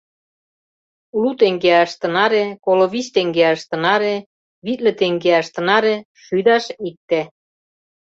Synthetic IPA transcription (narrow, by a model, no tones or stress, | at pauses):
lut̪eŋɡeɑʃt̪ə̆nɑɾekoloβist̪eŋɡeɑʃt̪ə̆nɑɾe | βit̪lĕt̪eŋɡeæʃt̪ə̆nɑɾe | ʃyd̪ɑʃik̚t̪e